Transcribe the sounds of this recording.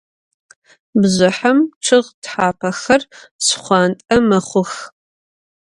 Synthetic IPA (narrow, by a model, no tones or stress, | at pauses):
bzʷɨħɐmʈ͡ʂʰɨʁtħaːpʰɐxɐrsχʷɑntʼɐmɐχʷʊx